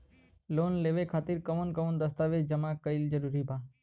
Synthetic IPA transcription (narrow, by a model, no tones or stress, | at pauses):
loːnleːʋekʰaːt̪ɪɾkəʋənkəʋənd̪əst̪aːʋed͡ʒəmakəɪld͡ʒəɾuːɾibaː